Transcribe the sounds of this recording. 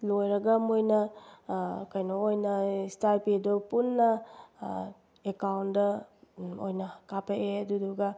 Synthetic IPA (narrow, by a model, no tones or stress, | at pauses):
lojɾɐɡɐmojnɐ | kɐjnoojnɐstaɾpidopunːɐ | ekawndɐ | o̰jnɐkapɐʔeɐduduɡɐ